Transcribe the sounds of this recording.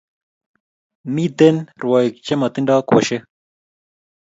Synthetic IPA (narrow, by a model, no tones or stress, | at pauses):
mid̪enɾwaːik̚t͡ɕemɐt̪iɳɖaːkwɐ̰ɕe